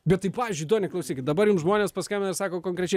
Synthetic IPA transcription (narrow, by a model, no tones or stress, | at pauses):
bʲɛt̪t̪ɐɪpɑːʋʲiːzʲd͡ʒʲʊɪt̪oːnʲɛklˠɐʊsʲiːkʲɪt̪̚d̪ɐbɐɾjumsʒmoːnʲeːspɐsʲkʲɛmʲnɪɾsɑːkoːkoŋkɾʲɛt͡ʃʲɛɪ